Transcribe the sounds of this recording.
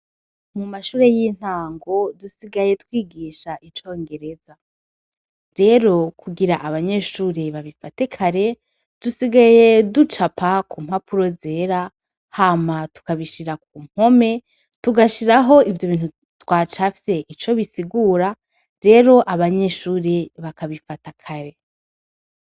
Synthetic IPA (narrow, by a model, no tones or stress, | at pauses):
mumaʃuːɾe̞jiːn̥haːŋɡo̞dusiɡaje̞tkwiːɡiːʃaʔit͡ʃo̞ːŋɡe̞ɾe̞za | ɾe̞ɾo̞kʰuɡiɾaʔaβaɲe̞ːʃuːɾeβaβifate̞kʰaɾe̞ | d̥usiɡaje̞dut͡ʃapʰakʰumhapʰuɾo̞zeːɾa | haːmatu̥kaβiʃiɾak̚uːm̥ho̞me̞ | tuɡaʃiɾaɦo̞ivjo̞βiːn̥u | twaːt͡ʃafi̥se̞ʔit͡ʃo̞βisiɡuːɾa | ɾe̞ːɾo̞ʔaβaɲe̞ʃuːɾeβakaβifatakʰaɾe̞